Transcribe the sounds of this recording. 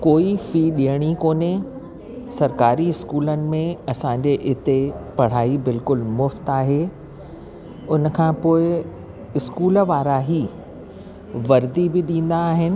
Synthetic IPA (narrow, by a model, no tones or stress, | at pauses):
koːifiːɗiəɽ̃ikoːne | sɐɾkaːɾiɪskuːlənɪ̆mẽɐsãːɲd͡ʑeʔɪt̪epɐɽ̤aːibɪlkʊlmʊft̪aːɦeː | ʊn̆kʰãːpoːɪ | ɪskuːlʋaːɾaɦi | ʋɐɾd̪ibɪɗĩːn̆d̪aːɦɪnɪ̆